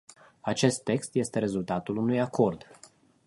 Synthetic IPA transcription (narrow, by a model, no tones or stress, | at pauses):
at͡ʃe̞st̪ːe̞kst̪je̞st̪e̞ɾe̞zult̪at̪ulunujakʰo̞rd̪